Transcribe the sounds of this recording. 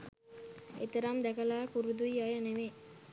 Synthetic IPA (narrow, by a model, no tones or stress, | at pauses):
ḛt̪əɾamd̪ækəlaːpuɾud̪uiajəneʋe